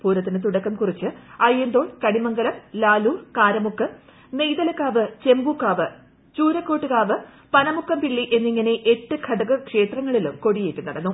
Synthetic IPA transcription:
puːɾɐt̪ːinɨt̪uɽɐkːɐmkurit͡ɕːɨɐɻijend̪o̞ːɭkɐɽimɐŋɡɐlɐmlaːluːkaːɾɐmukːɐ | ne̞jðɐlɐkːaːʋɨt͡ɕe̞mbukːaːʋɨ | t͡ɕuːɾɐkːoːʈːɨkaːʋɨ | pɐnɐmukːɐmpiɭːiʔe̞nːiŋːɐne̞ʔeʈːɨkʰɐɽɐɣɐkʂe̞ːt̪rɐŋːɐɭilumko̞ɽijeːtːunːɐɽɐnːu

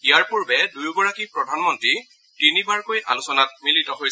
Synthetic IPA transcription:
ijaɹpuɹbɛdujɡɔɹakipɹɔdʱanmɔntɹi | tinibaɹkojʔa̰lusɔnat̚militɔɦoj

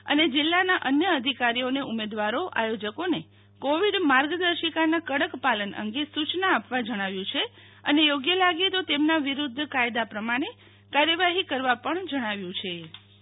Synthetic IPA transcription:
əned͡ʒɪlːanaʔənjəəd̪ʱikaɾijoneumed̪ʋaɾoʔa̰jod͡ʒəkone | koʋiɖmaɾɡd̪əɾʃikanakəɽəkpalənə̰ŋɡesut͡ʃnaːpʋad͡ʒəɽ̃aʋjũt͡ʃʰe | ənejoɡjəlaɡet̪ot̪emnaʋiɾud̪ʱːkajd̪apɾəmaɽ̃e | kaɾjəʋaɦikəɾʋapəɳd͡ʒəɽ̃aʋjũt͡ʃʰe

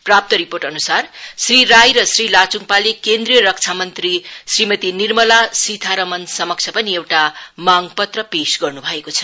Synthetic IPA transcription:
prap̚t̪ʌɾiporʈʌnusarsriɾajɾʌsrilat͡suŋpalekend̪rijʌɾʌk̚t͡sʰamʌnt̪risrimʌt̪inirmʌlasit̪ʰaɾʌmʌnsʌmʌk̚t͡sʰʌpʌniewʈamaŋpʌt̪rʌpesɡʌrnubʱʌekot͡sʰʌ̥

